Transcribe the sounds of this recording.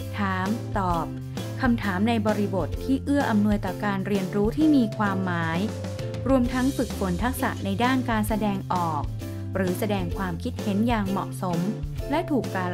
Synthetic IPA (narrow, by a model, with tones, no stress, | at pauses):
t̪ʰaː˩˦mt̪ɔː˨˩p̚ | kʰa˧mt̪ʰaː˩˦mna˧jbɔː˧ɾi˧bo˨˩t̪ʰːiː˥˩ʔɯ˥˩ɐʔa˧mnu˧əjt̪ɔː˨˩kaː˧nɾi˧ənɾuː˦˥t̪ʰiː˥˩miː˧kʰwaː˧mːaː˩˦j | ɾu˧əmt̪ʰa˦˥ŋfɯ˨˩k̚fʰo˨˩˦nt̪ʰa˦˥k̚sa̰˨˩ʔna˧jdaː˥˩nkaː˧nsa˧dɛː˧ŋʔɔː˨˩k̚ | ɾɯː˩˦sa˧dɛː˧ŋkʰwaː˧mkʰi˦˥t̪̚he˩˦njaː˨˩ŋmɔ̰˨˩ʔso˩˦mlɛ˦˥ʔt̪ʰuː˨˩kːaː˧